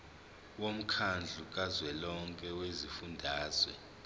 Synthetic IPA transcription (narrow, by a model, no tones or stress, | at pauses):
wom̩kʰand͡ɮʱukʼazwɛlɔŋkʼɛwezifundʱaːzwɛ̰